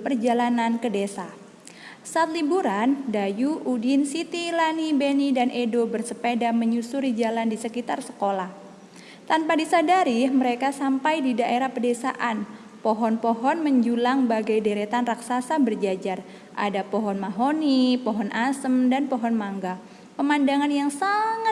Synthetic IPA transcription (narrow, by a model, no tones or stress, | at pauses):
pərd͡ʒalanankədesa | saat̪̚libuɾandajuʔudinsit̪ilanibenidanʔedobərsəpedaməɲusuɾid͡ʒalandisəkit̪arsə̥kolah | t̪anpadisadaɾiməɾekasampajdidaʔeɾahpədesa̰ʔan | pɔɦɔnpɔɦɔnməɲd͡ʒulaŋbaɡajdeɾet̪anraksasabərd͡ʒad͡ʒar | ʔa̰dapɔɦɔnmaɦonipɔɦɔnʔasəmdanpɔɦɔnmaŋɡa | pəmandaŋanjaŋsaŋa